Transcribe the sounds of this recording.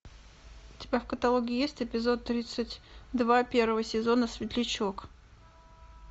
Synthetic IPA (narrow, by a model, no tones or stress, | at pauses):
ʊtʲɪbʲafkət̪alˠoɡʲɪːjesʲtʲɪpʲɪzo̞t̪ːɾʲit̪sɨtʲd̪vapʲe̞rvəvəsʲɪzo̞nəsvʲɪt̪lʲɪt͡ɕo̞k